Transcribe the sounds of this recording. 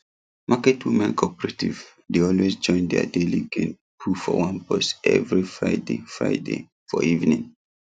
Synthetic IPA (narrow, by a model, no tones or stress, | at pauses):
makɛtʰwimɛ̃nkʰɔpɛɹatḭv | deɔlwezd͡ʒɔ̃ɪ̃ndɛa̰deliɡẽn | pʰufɔwãnpɔsɛ̰vɹifɹaɪdḛfɹa̰ɪde | fɔivnĩŋ